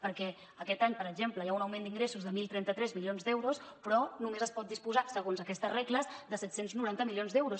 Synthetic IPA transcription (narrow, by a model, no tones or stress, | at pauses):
pəɾkɛ | əkɛt̪aɲpəɾəɡʒempləjaunəwmend̪iŋɡɾesuzðəmilˠt̪ɾɛnt̪ət̪ɾɛzmilionzd̪ɛwɾuspɾɔnumezəspɔt̪̚d̪ispuzasəɣonzəkɛst̪əzrɛkləzd̪əsɛt̪senznuɾant̪əmilionzd̪ɛwɾus